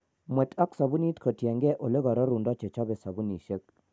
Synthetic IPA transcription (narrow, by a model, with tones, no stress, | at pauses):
mwɛ˨ta˦ksa˨bu˦ni˦tkʰə˨tjɛ˨ŋɡɛ˦ʔo˨le˦ɡɔ˨ɾɔ˦ɾu˨ndɔ˦t͡ʃe˨t͡ʃɔ˦bɛ˨sa˨bu˦ni˨ʃe˦k̚